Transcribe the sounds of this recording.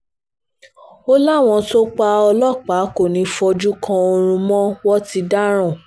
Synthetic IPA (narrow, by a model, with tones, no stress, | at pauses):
o˦la˦˨w̃ɔ̃˧to˦k͡pa˧ɔ˧lɔ˦˨k͡pa˨˦ko˦˨nĩ˨˦fɔ˧d͡ʒu˦kʰã˧o˧ɾ̃ũ˧mɔ̃˦wɔ˦ti˧da˦ɾ̃ɔ̃˦˨